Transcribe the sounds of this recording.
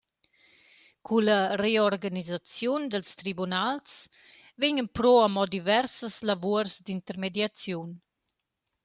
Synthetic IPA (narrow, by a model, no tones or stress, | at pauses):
kʰuləreɔɾɡanizat͡sjund̪əlst̪ɾibunals | veɲənpɾɔamɔd̪ivɛɾsəslavuəɾzd̪int̪əɾmed̪jat͡sjun